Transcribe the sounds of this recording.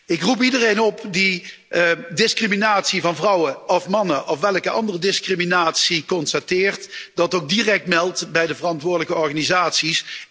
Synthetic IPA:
ɪkrup̬idərejnɔpdi | dɪskriminaːtsivɑnvrʌwəɔfmɑnəʔɔfʋɛləkəʔɑ̰ndərədɪskriminaːtsikɔnstatɪːrtd̥ɑtowɡ̚dirɛk̚tmɛlˠtbɛjdəvərɑntʋʊːdələkəɔɹɣaːnizaːtsis

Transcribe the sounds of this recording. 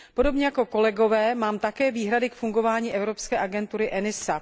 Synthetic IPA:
po̞do̞bɲɛjako̞ko̞lɛɡo̞vɛːmaːmt̪akɛːviːɦɾadɪkfuŋɡo̞vaːɲiːʔɛvɾo̞pskɛːʔaɡɛnt̪uɾɪʔɛnɪsa

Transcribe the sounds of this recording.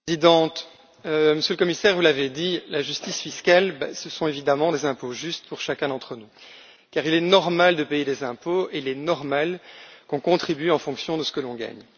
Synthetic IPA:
zid̪ɑ̃t̪ | øməsjøləkɔmisɛːʁvulaved̪ilaʒyst̪isfiskʲalbɛ̰səsɔ̃evid̪amɑ̃d̪ezɛ̃poʒyst̪puʁʃakʲɛ̃d̪ɑ̃t̪χənu | kaʁilɛnɔʁmald̪əpejed̪ezɛ̃poeilɛnɔʁmalkɔ̃kɔ̃t̪χibyɑ̃fɔ̃ksjɔ̃d̪əsə̥kəlɔ̃ɡa̰ɲ

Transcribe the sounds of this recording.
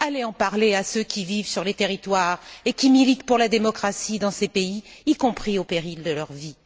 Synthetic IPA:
aleɑ̃paʁleasøkʲivivsyʁlet̪eʁit̪waʁekʲimilit̪puʁlad̪emɔkχasid̪ɑ̃sepeiːkɔ̃pχiopeʁild̪əlœʁvi

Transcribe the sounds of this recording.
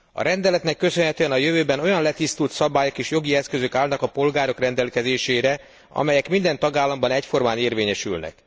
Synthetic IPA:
ɒ̰ɾɛnd̪ɛlɛt̪nɛkːøsønɦɛt̪øːɛnɒjøvøːbɛno̞jɒnlɛt̪ist̪ult̪sɒbaːjokeːʃjo̞ɡiɛskø̞zøkaːlnɒkɒpo̞lɡaːɾo̞krɛnd̪ɛlkɛzeːʃeːɾɛ | ɒ̰mɛjɛkmind̪ɛnt̪ɒɡaːlːɒmbɒnɛcfo̞rmaːneːrveːɲɛʃy̰lnɛ̰k

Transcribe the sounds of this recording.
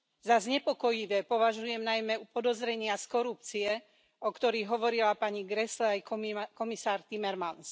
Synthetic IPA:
zazɲɛpɔkɔjiʋɛːpɔʋaʒujɛmnajmɛupɔd̪ɔzɾɛɲɪaskɔɾup̚t͡siɛ | ɔkt̪ɔɾiɣɦɔʋɔɾilapaɲiɡɾɛslɛajkɔmisaːɾt̪imɛɾmans

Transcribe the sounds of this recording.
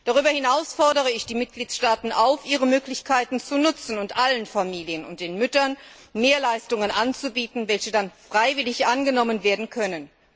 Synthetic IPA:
d̥aʁ̞yːbɐhɪnaʊsfɔɐdəʁ̞əɪçd̥iːmɪt̚ɡ̥liːtsʃtaːtn̩ʔaʊfʔiːʁəmøːklɪçkʰaɪtn̩t͡sunʊt͡sn̩ʊntʔalənfamiːlijənʊ̰nt̚d̥eːnmʏtɐn | meːɐlaɪstʊŋənʔant͡subiːtn̩vɛlçədanfʁ̥aɪvɪlɪçʔanɡənɔmənveːɐdn̩kʰœnən

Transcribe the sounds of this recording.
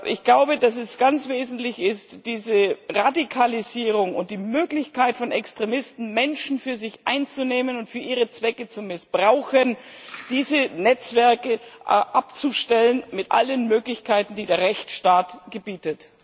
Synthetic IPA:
ʔɪ̰çɡ̥laʊbədas̬ɛsɡ̥ant͡sv̥eːzn̩tlɪçɪstd̥iːzəʁadikʰaliziːʁʊŋʊ̰nt̚d̥iːmøːklɪçkʰaɪtfɔnɛkstʁ̥emɪstn̩mɛnʃn̩fyːɐzɪçʔa̰ɪnt͡suneːmənʊntfyːɐʔiːʁ̞ət͡sv̥ɛkət͡sumɪsb̥ʁaʊxənd̥iːzənɛt͡sv̥ɛɐkəʔʔap̚t͡suʃtɛlənmɪtʔa̰lənmøːklɪçkʰaɪtn̩diːdeːɐʁɛçt͡sʃtaːtɡ̥əbiːtət

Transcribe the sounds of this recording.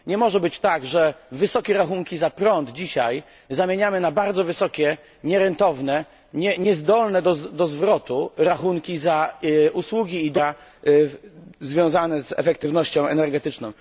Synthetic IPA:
ɲɛmɔʐɛbɘt͡ɕt̪aɡʐɛvɘsɔkʲɛɾaxuŋkʲizapɾɔnd̪d͡ʑiɕaj | zamʲjeɲamɘnabaɾd̪zɔvɘsɔkʲɛ | ɲɛɾɛnt̪ɔvnɛ | ɲɛɲɛzd̪ɔlnɛd̪ɔd̪ɔzvɾɔt̪uɾaxuŋkʲizaʔuswuɡʲiːd̪a | zvʲjɔ̃w̃zanɛzɛ̰fɛkt̪ɘvnɔɕt͡ɕɔ̃w̃ɛnɛɾɡɛt̪ɘt͡ʂnɔ̃w̃

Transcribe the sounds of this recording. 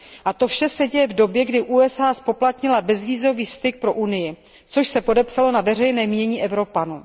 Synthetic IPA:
ʔat̪o̞fʃɛsɛɟɛjɛvdo̞bjɛɡdɪʔuːɛsaːspo̞plat̪ɲɪlabɛzviːzo̞viːfst̪ɪk̚pɾo̞ʔunɪjɪ | t͡so̞ʃsɛpo̞dɛpsalo̞navɛrɛjnɛːmɪɲɛɲiːʔɛvɾo̞panuː

